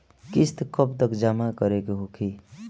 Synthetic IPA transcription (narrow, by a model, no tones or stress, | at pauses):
kist̪kʌpd̪əkd͡ʒamakʌɾekeɦokʰi